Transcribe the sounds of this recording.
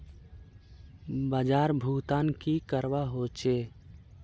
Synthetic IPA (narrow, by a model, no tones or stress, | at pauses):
bəd͡ʒaːɾbʱuːt̪aːnkikəɾwaɦoːt͡ʃeː